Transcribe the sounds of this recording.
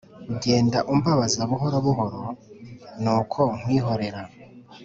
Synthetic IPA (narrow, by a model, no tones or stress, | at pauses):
uɟe̞ːndaʔumbaβazaβuɦo̞ɾoβuɦo̞ɾo̞ | nuːkʰo̞ŋ̥wiːɦo̞ɾe̞ɾa